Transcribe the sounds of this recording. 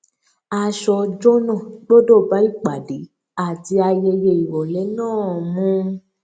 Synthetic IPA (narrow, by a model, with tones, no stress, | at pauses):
a˧ʃɔ˧d͡ʒo˦nã˦˨ɡ͡bo˦do˦˨ba˨˦i˦˨k͡pa˨de˨˦ | a˦˨ti˧a˧je˧je˧i˨wɔ˨lɛ˨˦nãː˦˨mũ˦˧˦